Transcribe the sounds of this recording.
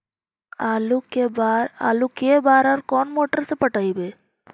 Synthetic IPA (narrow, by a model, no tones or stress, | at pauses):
alukebaɾa̰lukeːbaːɾaɾkoːnmoːʈːɐɾsɨpɐʈːajbe